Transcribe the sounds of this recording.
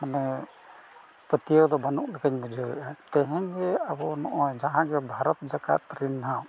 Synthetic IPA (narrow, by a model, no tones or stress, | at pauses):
manɛ | pət̪ijɔd̪ɔbanuk̚lɛɡaɲmud͡ʒʱəɾɛ̰ʔat̪ɛɦɛɲd͡ʒɛabɔnɔʔɔjd͡ʒaɦãɡɛbʱaɾɔt̪̚d͡ʒaka̰t̪ɾinaɦaw